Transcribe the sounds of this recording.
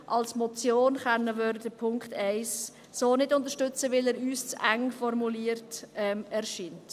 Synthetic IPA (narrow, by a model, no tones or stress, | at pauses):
ʔɑlsmɔt͡sjoːnχɛnːəvøɾdədəpʰʊŋkχtɛɪs | soːnɪdʊnt̪əɾʃtʏt͡səʋɪlɛːɾyːst͡sʔæŋfɔɾmuliəɾtɛmɛɾʃiːnt